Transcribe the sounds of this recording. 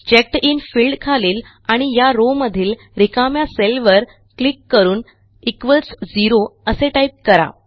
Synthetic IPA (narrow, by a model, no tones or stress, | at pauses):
t͡ɕek̚ʈiːnfiːlɖkʰaliːl | aɽ̃ijaɾoməd̪ʱiːl | ɾikamjaselʋəɾ | klikːəɾuːn | ikʋəlsd͡ziɾoəseʈajp̚kəɾa̰